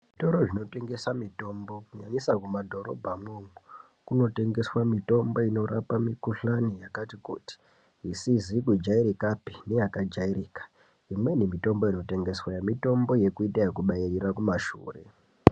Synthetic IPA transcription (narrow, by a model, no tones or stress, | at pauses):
ʐito̞ɾoʐino̞te̞ŋɡe̞samito̞mbo̞kuɲaɲisakumadʱo̞ɾo̰bʱamomu | kuno̞te̞ŋɡe̞swamito̞mbo̞ino̞ɾa̰pamikuɬanijakatikṵːti̥ | isizikud͡ʒaiɾikapi̥ne̞jakad͡ʒairiːkḁ | imwe̞nimito̞mbo̞ino̞te̞ŋɡe̞swajemito̞mbo̞je̞kuitajekuɓairirakumaʃṵːre̞̰